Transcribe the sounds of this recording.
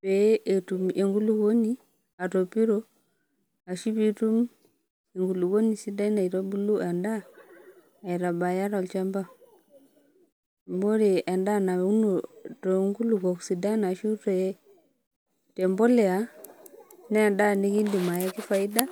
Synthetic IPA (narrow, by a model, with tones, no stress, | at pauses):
pɛ˨e˨tu˨me˨ŋɡu˦lu˦ɣo˦ni˦ | a˨to˨pi˦ɾo˦ | a˨ʃi˦βi˦tu˦m | e˨ŋɡu˨lu˨ɣo˦ni˨si˦da˦na˨i˨ɾo˦bu˦lu˦ʔa˨ndaː˦˨ | i˨ɾa˨ba˨ja˦ɾa˨lt͡ʃa˦mba˦ | mbo˦ɾe˨ʔa˨nda˦na˨˦u˦no˨to˨˦ŋɡu˦lu˨kɔ˨ksi˨da˦na˨ʃu˦tɔ˨˦ | tɛ˨mbɔ˦lɛ˨a˨ | nɛ˦a˨nda˦ni˦ki˦ndi˨ma˨ja˦ki˦fa˨i˦da˦